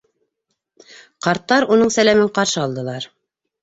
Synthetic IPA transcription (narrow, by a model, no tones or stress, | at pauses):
qɑɾt̪ːɑɾunɤɴsælæmɘɴqɑɾʃɤɑlˠd̪ɤ̆lˠɑɾ